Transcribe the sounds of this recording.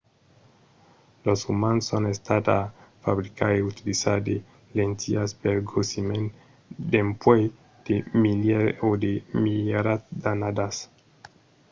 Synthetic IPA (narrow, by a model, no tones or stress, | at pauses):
losumansonest̪at̪afabɾikaeut̪ilisad̪e | lent̪iaspeɾɡosimen | d̪empwej | d̪̥emileod̪emileɾatd̪anad̪as